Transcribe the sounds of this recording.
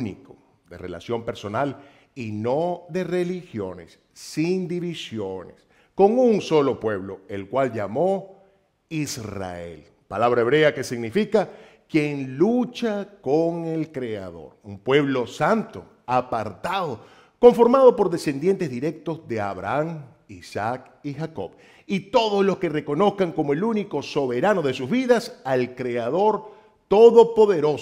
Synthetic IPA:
niko | ðe̞̰rela̰sjo̞mpe̞ɾso̞nal | ino̞ðe̞re̞lixjo̞ne̞̰sː | ind̪iβisjones | ko̞ŋuŋso̞lo̞pwe̞βlo̞elkwald͡ʒamo̞ | isra̰ḛl | palaβɾaeβɾe̞ake̞siɣnifika | kje̞ŋlut͡ʃakoŋe̞lkɾea̰ðo̞̰ɾumpwe̞βlo̞sant̪o̞̰ | apaɾt̪aðo̞ | ko̞ɱfo̞ɾmaðo̞po̞ɾðe̞se̞nd̪je̞nt̪ezðiɾe̞k̚t̪o̞zðe̞a̰βɾa̰aŋ | isak̚ | ixako̞̰β | it̪o̞ðozlo̞ske̞re̞ko̞no̞skaŋko̞moe̞luniko̞so̞βe̞ɾano̞ðe̞suzβiðasalkɾe̞aðo̞ɾ | t̪o̞ðo̞po̞ðe̞ɾo̞s

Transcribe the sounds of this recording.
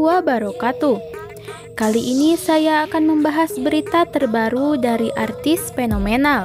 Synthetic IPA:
uabaɾokat̪u | kaliʔinisajaːkanməmbaɦasbəɾit̪at̪ərbaɾudaɾiʔart̪isfenomenal

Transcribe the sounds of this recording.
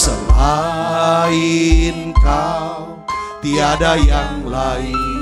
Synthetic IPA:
səla | inkaw | t̪iadajaŋlai

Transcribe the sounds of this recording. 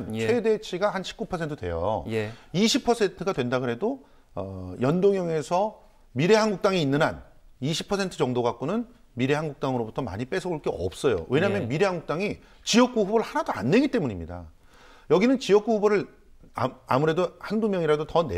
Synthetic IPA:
nt͡ɕʰwe̞de̞t͡ɕʰiɡahanɕʰi̥p̚k͈upʰʌsʰe̞ntʰɯdwe̞̰jo̰ | iɕʰipʰʌsʰe̞ntʰɯɡadwe̞ndaɡɯɦe̞do | ʌjʌndoŋjʌŋe̞sʰʌ | miɾe̞ɦanɡuk̚t͈aŋiːnːɯnan | iɕʰipʰʌsʰe̞ntʰɯt͡ɕʌŋdoɡak͈unɯn | miɾe̞ɦanɡuk̚t͈aŋɯɾobutʰʌma̰ɲip͈e̞sʰʌuɭk͈eʌ̰p̚s͈ʌjo̰we̞ɲaɦːmjʌnmiɾe̞ɦaŋɡuk̚t͈aŋi | t͡ɕijʌk͈̚uɦubɾɯɭhanadoa̰nːe̞ɡit͈e̞muɲimɲida̰ | jʌɡinɯnt͡ɕijʌk͈uɦuboɾɯɭ | a̰muɾe̞dohandumjʌŋiɾadotʌne

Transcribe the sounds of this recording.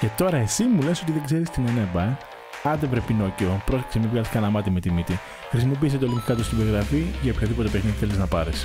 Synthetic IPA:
ce̞t̪o̞ɾɐe̞simule̞so̞t̪iðeɡzeɾist̪inenebɐ | ɐnðevɾepino̞ceo̞pɾo̞ssemivɣɐiskɐnɐmɐt̪imet̪imit̪i | xɾisimo̞p̬iːset̪oliŋkkɐt̪ust̪ibeɣɾɐfiʝɐopçoðipo̞t̪epexniðθe̞liznɐpɐɾes

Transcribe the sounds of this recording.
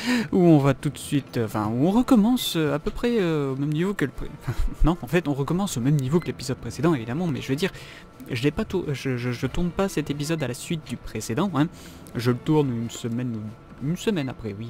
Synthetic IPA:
uɔ̃vat̪ut̪sɥit̪ɑ̃fɛ̰̃uɔ̃ʁəkɔmɑ̃søapøpχɛøomɛmnivokələpɑ̃fɛ̃nɔ̃ɑ̃fɛt̪ɔ̃ʁəkɔmɑ̃somɛmnivokəlepizɔd̪̚pχesed̪ɑ̃evid̪amɑ̃mɛ̰ʒəved̪iʁ | ʒəlɛpat̪uʒəʒəʒət̪uʁnpasɛt̪ep̬izɔd̪alasɥit̪̚d̪ypχesed̪ɑ̃ɛ̃ | ʒələt̪uʁnynsəmɛnu | ynsəmɛnapχɛwi

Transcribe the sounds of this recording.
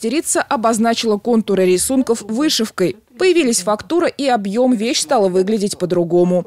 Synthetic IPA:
tʲɪɾʲit̪səʔɐbɐznat͡ɕɪlˠəko̞nt̪ʊɾɨɾʲɪsunkəfvɨʂɨfkəj | pəjɪvʲilʲəsʲfɐkt̪uɾəʔiɐbjo̞mvʲeɕst̪ɑlˠəvɨɡlʲɪdʲɪtʲpəd̪ɾʊɡo̞mʊ

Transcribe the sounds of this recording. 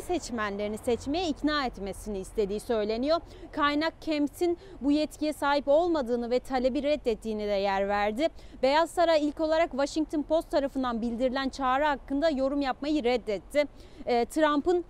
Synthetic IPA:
sɛt͡ʃmænlʲeɾinisɛt͡ʃmejɛicnaːɛt̪me̞siniːst̪ʰe̞d̪iːsø̞jlʲe̞nijo̞ | kʰajnak̚cʰɛmt̪ʰin | bujɛt̪cʰijɛsaːɦipo̞lˠmad̪ɯːnɯvɛt̪ʰalʲe̞biɾɛd̪ːɛt̪ʰːiːnid̪ɛjæɾvæɾd̪ɪbe̞jazsaɾajilʲco̞lˠaɾakvaʃiŋ̚t̪ʰunpʰo̞st̪ʰːaɾafɯnd̪anbilʲd̪iɾilʲænt͡ʃʰaːɾɯɦakːɯnd̪ajo̞ɾumjapmajɯɾɛd̪ːɛt̪ʰːɪː | t̪ʰɾampɯn

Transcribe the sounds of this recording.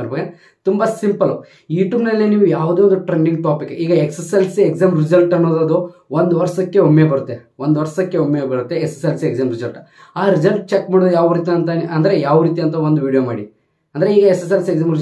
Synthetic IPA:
ɐɾbɐɡe | t̪umbɐsimpɐl | iːʈuːbnɐlːiniːʋujaːʋd̪eːʋond̪uʈɾeɳɖiŋɡ̚ʈaːpikːiːɡɐeksɐselsieɡzaːmɾizɐlʈɐnːoːd̪od̪uʋond̪uʋɐɾsɐkːeɦomːebɐɾut̪ːe | ʋond̪uʋɐɾsɐkːeomːebɐɾut̪ːeekse̥selseɡzaːmɾizɐlʈ | aːɾid͡ʒɐlʈ̚t͡ʃekːmaːɽod̪ujaːʋɾiːt̪̬iɐnt̪ɐɐnd̪ɐɾejaːʋɐɾiːt̪̬iɐnt̪̬ɐʋond̪uʋiːɽijomaːɽi | ɐnd̪ɐɾeiːɡɐeses̬elsieɡzaːmɾ

